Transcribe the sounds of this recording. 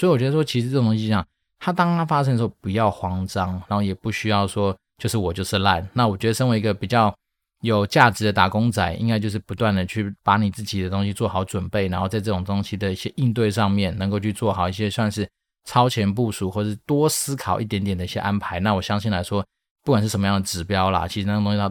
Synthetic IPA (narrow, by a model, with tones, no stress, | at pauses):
swɔ˧˥i˨˩wɔ˨˩t͡ɕɥɛ˧˥ə˧ʂwɔ˥t͡ɕʰi˧˥ʂɻ̩˧t͡s̪o˥˧˩jɑ˨˩ŋ | t̪ʰa˥t̪̬ɑ˥ŋa˥nfa˥ʂ̬ə̃˥nd̪ə˨˩˧o˥˩pu˨˩jɑ˥˩ʊxwɑ˥ŋʈ͡ʂɑ˥ŋna˨˥nxo˥˩jɛ˨˩pu˥˩ɕy˥jɑ˥˩ʊʂwɔ˥ | t͡ɕjo˥˧ʊʂɻ̩˥˩wɔ˨˩t͡ɕjo˥˧ʊʂɻ̩˥˧la˥˩nna˥˩wɔ˨˩t͡ɕɥɛ˧˥d̪ə˧ʂə˥nwɪi˧˥ɡə˧pi˨˩t͡ɕjɑ˥˩ʊ | jo˨˩ʊt͡ɕja˥˩ʈ͡ʂɻ̩˧˥d̪ə˧t̪a˨˩kʊ˥ŋt͡sa˨˩˦ɪʔḭ˥ŋka˥ɪt͡ɕjo˥˧ʊʂɻ̩˥˩pu˧˥t̪wa˥˩nd̪ə˩t͡ɕʰy˥˩pa˧˥ni˨˩t͡sɹ̩˥˩t͡ɕi˨˩d̪ə˦t̪o˥ŋɕi˧˥t͡swɔ˥˩xɑ˨˧˥ʊʈ͡ʂwə˨˩npe˥˩ɪna˧˥nxo˥˧ʊt͡sa˥˧ɪʈ͡ʂɤ˥˩ʈ͡ʂʊ˨˩ŋt̪o˥ŋɕi˥d̪ə˨i˥˩ɕjɛ˦ʔi˥˧nt̪̬we˥˧ɪʂɑ˥˧ŋmjɛ˥˩nnə˧˥ŋko˥˧ʊt͡ɕʰy˥˧t͡swɔ˥˩xɑ˨˩ʊi˥˩ɕ̬jɛ˥swa˥˧nʂɻ̩˥˩ | ʈ͡ʂʰɑ˥ʊt͡ɕʰjɛ˧˥np̬u˥˩ʂu˨˩xwɔ˥˩ʂɻ̩˥˩t̪wɔ˥sɹ̩˥kʰɑ˨˩ʊʔi˥˩t̪jɛ˧˥nt̪jɛ˨˩d̪ə˩˦i˥˩ɕjɛ˧˥ʔa˥npʰa˧˥ɪna˥˨wɔ˨˩ɕjɑ˥ŋɕi˥˩nla˧˥ɪʂwɔ˥ | pu˥˩kwa˨nʂɻ̩˥˩ʂə˧˥m˧jɑ˥ŋd̪ə˩ʈ͡ʂɻ̩˨˩pjɑ˥ʊlɐ̰˨t͡ɕʰi˧˥ʂɻ̩˧˩n˥˩˨t̪õ˥ŋɕi˧˥